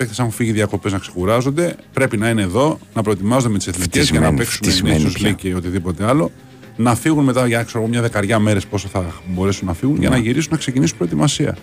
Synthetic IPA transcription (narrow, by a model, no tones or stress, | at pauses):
ekθesɐnxufiʝiðiɐko̞pe̞znɐkse̞̥xuɾɐzo̞nd̪e̞pɾe̞pinɐine̞ːðo̞nɐpɾo̞et̪imɐzod̪eet̪ise̞θniicezʝɐnɐpe̞ksunenissuzleceo̞t̪iðipo̞t̪e̞ɐlo̞ | nɐfiɣunme̞t̪ɐʝɐkseɾoɣomɲɐðe̞kɐɾʝɐme̞ɾe̞spo̞soθɐbo̞ɾe̞sunːɐfiɣunʝɐ̰nɐʝiɾis̬unɐksecinisupɾo̞et̪imɐsiɐ̰